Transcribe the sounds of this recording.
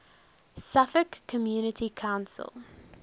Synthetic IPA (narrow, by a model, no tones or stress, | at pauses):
safəkʰːəmjuːnətʰikʰãʊ̃nsə̰lˠ